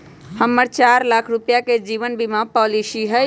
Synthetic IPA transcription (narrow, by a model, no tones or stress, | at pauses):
həmːəɾt͡ʃaɾlakʰɾupjaked͡ʒiβənbimapɔlisiɦə